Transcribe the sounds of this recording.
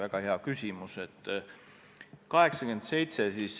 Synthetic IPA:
æɡ̥ɑheɑkysʲimuset̪ːˑ | kɑɦe̞ksɑkyend̪̥se̞jt̪sesis

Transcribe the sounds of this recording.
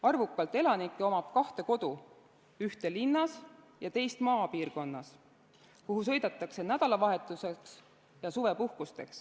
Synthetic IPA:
ɑrvukːˑɑlt̪ːˑe̞lɑnikːˑeo̞mɑb̥kɑht̪e̞ko̞d̪̥u | yht̪e̞linːɑs | jɑt̪e̞jst̪mɑːpiːrko̞nːɑs | kuɦusɤ̞jd̪et̪ˑːɑkse̞næd̪̥ɑlɑvɑɦe̞t̪ːˑuseks | jɑsuve̞puhkust̪e̞̰ks

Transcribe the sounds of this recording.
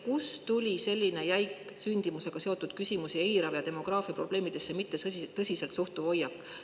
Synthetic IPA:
kust̪ulʲise̞lʲːine̞jæjk | synʲd̪̥imuse̞ɡ̥ɑse̞o̞t̪ːud̪̥kysʲimusie̞jɾɑvjɑt̪e̞mo̞ɡ̥rɑːfiɑpro̞b̥le̞ːmid̪̥e̞sːemit̪ːe̞t̪ɤsʲise̞lt̪suht̪uvo̞jːɑkːˑ

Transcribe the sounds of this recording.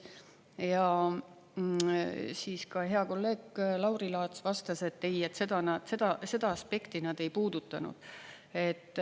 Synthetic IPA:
jɑ | siːskɑɦe̞ɑko̞lːe̞ːɡ̥lɑwɾilɑːt̪svɑst̪ɑse̞t̪ːeje̞t̪ːse̞d̪ɑnɑd̪̥se̞d̪ɑse̞d̪̥ɑːspe̞kt̪inɑd̪̥e̞jpuːd̪̥ut̪ːˑɑnṵd̪̥ | e̞t̪ːˑ

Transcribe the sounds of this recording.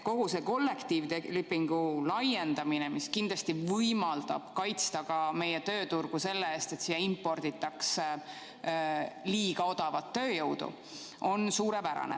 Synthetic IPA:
ko̞ɦuseko̞lːe̞kt̪iːvt̪elypːˑiŋɡ̥ulɑje̞nd̪̥ɑminemiskind̪lɑst̪ivɤjmɑld̪̥ɑ̰b̥kɑjt̪st̪ɑɡɑme̞jet̪ø̞ːt̪urɡ̥use̞lːeeːst̪e̞t̪siːjɑimpːo̞rd̪̥it̪ːˑɑks | liːɡ̥ɑo̞d̪̥ɑvɑt̪ːøːjɤwd̪ṵ | ʔo̞nsuːɾe̞pæɾɑ̰nḛ

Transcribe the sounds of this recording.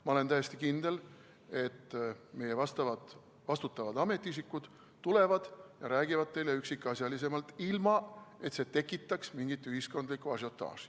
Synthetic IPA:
mɑo̞le̞nt̪æjest̪ikind̪̥e̞l | e̞t̪ːme̞jevɑst̪ɑvɑ | vɑst̪ut̪ːˑɑvɑd̪ɑme̞t̪ːˑiis̬ikːˑud̪̥ | t̪ule̞vɑd̪̥jɑɾæːɡ̥ivɑd̪̥̚t̪ːe̞jle̞yksikːˑɑsʲjɑlis̬e̞mɑlt̪ːilmɑe̞t̪se̞ːt̪e̞kːˑit̪ːˑɑksmiŋɡ̥it̪ːyɦisko̞nd̪likːˑuɑs̬jo̞t̪ːɑ̰ːs

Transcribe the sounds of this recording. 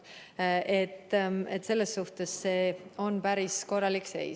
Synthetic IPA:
ʔet̪ːḛt̪se̞lːesːuht̪e̞sːe̞ːo̞npæɾisko̞rːɑlikse̞̰j

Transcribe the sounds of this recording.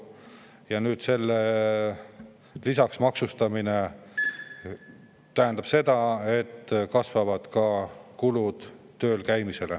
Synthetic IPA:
jɑnyːd̪̥se̞lːe | lisɑksmɑksust̪ɑmine̞ | t̪æɦænd̪ɑb̥se̞d̪ɑe̞t̪ːkɑsvɑvɑd̪̥kɑkulud̪̥ | t̪ːø̞ːlkæjmise̞lḛ

